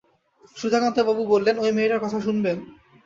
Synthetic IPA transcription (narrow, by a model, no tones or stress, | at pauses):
ʃud̪ʱakant̪ebabubolːenojmeːʈaɾkɔt̪ʰaʃunben